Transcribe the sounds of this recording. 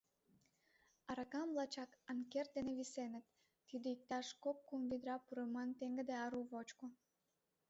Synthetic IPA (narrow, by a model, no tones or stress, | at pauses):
ɑɾɑkɑmvlɑt͡ɕɑkɑnkert̪̚d̪eneβisenət̪ː | id̪eik̚t̪ɑʃkop̚kumvid̪ɾɑpuɾəmɑnt̪eŋɡə̆d̪eɑɾuβot͡ɕko